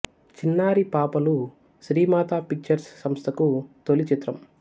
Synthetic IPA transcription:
t͡ʃinːaːɾipaːpɐlu | ʃɾiːmaːt̪aːpik̚t͡ʃɐɾsːɐmst̪ʰɐkut̪olit͡ʃit̪ɾɐm

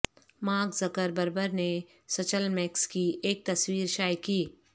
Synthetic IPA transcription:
mãːɡzɐkəɾbəɾbəɾne | sɐt͡ʃəlmɛkskieːk̚t̪ɐswiːɾʃaːjkiː

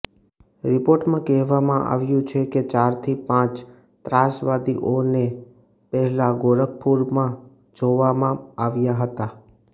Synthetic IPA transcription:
ɾɪpoɾʈmãkɛɦʋamã̰ʔa̰ʋjũt͡ʃʰeket͡ʃaɾt̪ʰipãt͡ʃ | t̪ɾasʋad̪iʔone | pɛɦɛlaɡoɾək̚puɾmã | d͡ʒoʋamãaʋjaɦət̪a

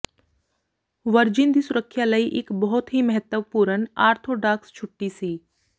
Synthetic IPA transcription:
ʋəɾd͡ʒɪnd̪isʊɾəkʰːjaləiʔɪkbɔɦʊt̪ɦiməɦət̪wəʋpuɾənaːɾt̪ʰoɖaːkst͡ʃʰʊʈːisiː

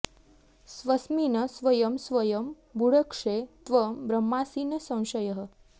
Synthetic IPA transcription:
sʋɐsminɐsʋɐjɐmsʋɐjəm | buɽəkʂet̪ʋəbɾɐmːasiːnɐsɐ̃w̃ʃɐjɐɦə̆

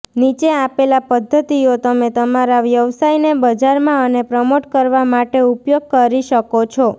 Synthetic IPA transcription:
nit͡ʃeapelapəd̪ʱːət̪iot̪əmet̪əmaɾaʋjəʋsainebəd͡ʒaɾmãənepɾəmoʈkəɾʋamaʈeupjoɡ̚kəɾiʃəkot͡ʃʰɔ

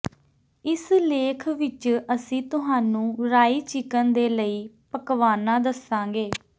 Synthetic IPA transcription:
ɪsleːkʰʋɪt͡ʃəsĩːt̪ʊɦaːnũːɾaːiːt͡ʃɪkənd̪eːləiːpəkʋaːnaːd̪əsãːɡeː

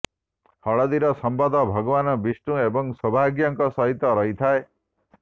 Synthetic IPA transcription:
hɔɭɔd̪iɾɔsɔmbad̪ʱɔbʱʌɡɔbanɔbisʈũebɔŋsɔbʱaɡjɔŋkɔsɔɦit̪ːɔɾɔɦit̪ʰae

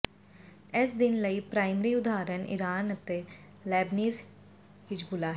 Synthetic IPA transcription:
ɪsd̪ɪnləipɾaːɪmɾiʊd̪aːɾənɪ̰ɾaːnət̪e | lɛːbniːz | hɪd͡ʒbʊlaɦɛ

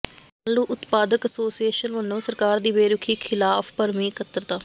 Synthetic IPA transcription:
alːuːʔʊt̪paːd̪əkəsoːsijeːʃənʋənːõːsəɾkaːɾd̪iːbeːɾʊkʰiːkʰɪlaːpʰpəɾmĩːkət̪əɾt̪aː

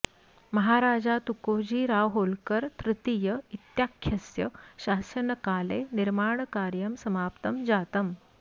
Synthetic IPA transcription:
məɦaɾaːd͡ʑat̪ukod͡ʑiːɾaʋɦolkəɾt̪ɾɪt̪ijəit̪jakʰjəsjəɕaːsəɳəkaːleniɾmaːɳkaːɾjəmsəmaːpt̪əmd͡ʑaːt̪əm

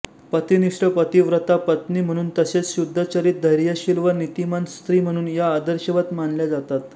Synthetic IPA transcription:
pət̪iniʂʈəpət̪iʋɾət̪apət̪nim̤əɽ̃uːnt̪əset͡sɕud̪ʱːət͡ɕəɾiːt̪̚d̪ʱəjɾjəɕilʋənit̪imanst̪ɾiːm̤əɽ̃uːnjaːd̪əɾɕəʋət̪manljad͡zat̪at̪

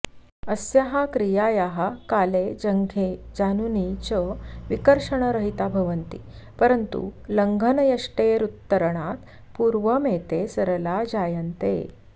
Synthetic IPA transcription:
əsjaɦakɾijajaɦakaled͡ʑəŋɡʱed͡ʑanunit͡ɕəʋikəɾʂəɳ̃əɾəɦit̪abʱəʋənt̪ḭpəɾənt̪ṵləŋɡʱənəjɐʂʈeɾut̪ːəɾəɳat̪ | puɾʋəmet̪esəɾəlad͡ʑajənt̪ḛ

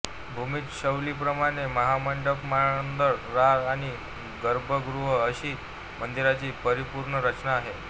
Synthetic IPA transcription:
bʱumiːt̪ɕəwliːpɾəmaɽ̃eməɦaməɳɖəkmaɭənd̪əɾɾaɾaɽ̃i | ɡəɾbʱəɡɾuɦəəɕiː | mənd̪iɾat͡ɕiːpəɾipuɾɳəɾət͡ɕnaːɦe

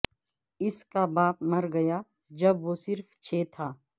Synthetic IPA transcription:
ɪskabaːpmɐɾɡɐjaː | d͡ʒɐbʋoːsɪɾft͡ʃʰeːt̪ʰaː

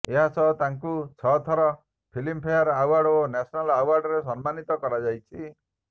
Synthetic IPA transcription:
eɦasɔt̪aŋkut͡ʃʰɔt̪ʰɔɾɔ | pʰilimpʰejaɾawaɾɖonɛsʰɔnalawaɾɖɔɾesɔnmanit̪ɔkɔɾad͡ʒajt͡ʃʰi

